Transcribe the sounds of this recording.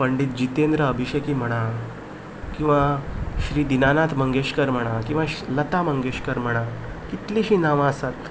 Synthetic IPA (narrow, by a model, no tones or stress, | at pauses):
pəɳɖit̪̚d͡ʑit̪end̪ɾəːbʱiɕekiːm̤əɽ̃a | kĩw̃ʋaɕɾiːd̪inanat̪ʰməŋɡeɕkəɾm̤əɽ̃akĩw̃ʋalət̪aməŋɡeɕkəɾm̤əɽ̃a | kit̪liɕinaʋãəsat̪